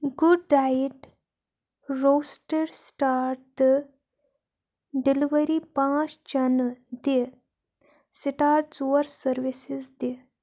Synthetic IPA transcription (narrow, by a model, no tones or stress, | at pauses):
ɡuɖːaiʈ | ɾosʈəɾsʈaɾt | ɖiliʋəɾipãst͡ɕanəd̪e | siʈaɾt͡suəɾsəɾʋisisd̪e